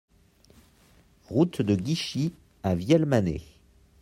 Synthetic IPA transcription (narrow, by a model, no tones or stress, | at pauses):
ʁut̪d̪əɡʲiʃi | avjɛlmanḛ